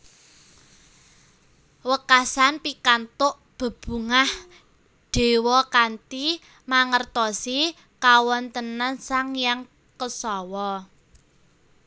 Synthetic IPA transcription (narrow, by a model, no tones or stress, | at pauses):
wəkasanpikant̪ʊʔ | b̥ə̤b̥ṳŋah | ɖ̥e̤wɔkant̪i | maŋərt̪ɔsi | kawɔnt̪ənansaŋjaŋ | kəsɔwɔ